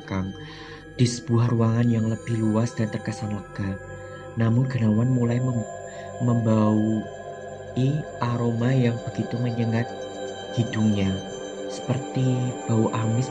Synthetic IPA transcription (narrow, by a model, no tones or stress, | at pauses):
kaŋ | d̥isə̥b̥uaruaŋanjaŋləb̥ɪhluasd̥aɾt̪ərkasanlaɡ̥a | namʊnɡənawanmulajmə | məmbau | iʔaɾomajaŋb̥əɡ̥it̪uməɲəŋat̪̚ | ɡ̥iduŋɲa | sə̥pərt̪ib̥auʔamɪs